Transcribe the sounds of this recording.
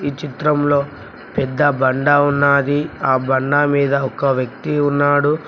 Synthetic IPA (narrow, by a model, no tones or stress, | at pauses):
iːt͡ʃit̪ɾɐmlo̞ː | pɛd̪ːɐbɐɳɖaːunːaːd̪iaːbɐɳɖaːmiːd̪ɐɔkɐʋjɐk̚t̪iunːaːɽu